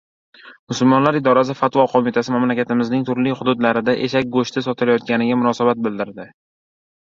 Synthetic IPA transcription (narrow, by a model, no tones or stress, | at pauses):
mʊsʊlmɒnlaɾɪd̪ɒɾas̬ɪfat̪vɒqʰomɪt̪ʰasɪmamlakʲat̪ɪmɪznɪŋt̪ʰʊɾlɪhʊd̪ʊd̪laɾɪd̪aʔḛʃak̚ʲɡoʃt̪ʰɪsɒt̪ʰɪlajɒt̪̚ɡʲanɪɡʲamʊnɒsabat̪̚bɪld̪ɪɾd̪ɪ